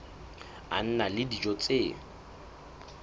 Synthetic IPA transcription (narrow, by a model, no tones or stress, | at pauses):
a̰n̩nalɪdid͡ʒɔt͡sʼeː